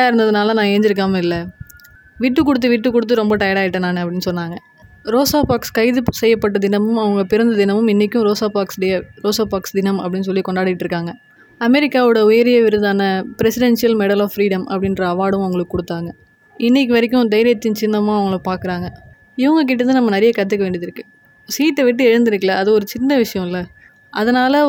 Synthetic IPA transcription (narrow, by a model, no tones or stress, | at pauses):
aːɪɾɯnd̪ɐðɯnaːlɐnãːeːɲd͡ʒɪɾɯk̬ːaːmɐɪlːɐ | ʋiʈːɯkːɔɽɯt̪̬ːɯʋiʈːɯkːɔɽɯt̪ːɯɾɔmbɐʈɐjɽaːɪʈːɐnaːnɯɐp̬ːɐɽɪnːɯsɔnːaːŋɡɐ | ɾoːsaːpaːkskɐɪðɯsɛjːɐpːɐʈ̬ːɐd̪ɪnɐmɯmɐʋɐŋɡɐpɪɾɐnd̪ɐd̪ɪnɐmɯmɪnːɪkʲːʊ̃ɾoːsaːpaːksɯɽɐjɐɾoːsaːpaːksd̪ɪnɐmɐpːɐɽɪnːɯs̬ɔlːikɔɳɖaːɽɪɪʈːɾɯkːaːŋɡɐ | ɐmɛɾɪkːaːʋɯɽɐʊjɐɾɪjɐʋɪɾɯðaːnɐpɪɾɛsɪɽɛnsɪjɐlmɛɽɐlaːfːɾiːɽɐmɐ̰pːɐɽɪnɾɐːʋaːɽɯ̃mɐʋɐŋɡɐɭɯkːɯːkɔɽɯt̪ːaːŋɡɐ | ɪnːɪk̬ʲːɯʋɐɾɪk̬ʲːʊ̃d̪ɐɪɾɪjɐt̪ːɪnt͡ʃɪnːɐmãːɐʋɐŋɡɐɭɐpaːɾkɯɾaːŋɡɐ | ɪʋɐŋɡɐk̬ɪʈːɐt̪ːɯ̃nɐmːɐnɐɾɪjɐkɐt̪̬ːɯk̬ːɐʋeːɳɖɪðɪɾɯkːɯ | siːʈːɛʋɪʈːɯɛɻɯnd̪ɪɾɯkːɐlɐːðɯɔɾɯt͡ʃɪnːɐʋɪʂɐjɐ̃ɪlːɐ | ʔɐðɐnaːlɐ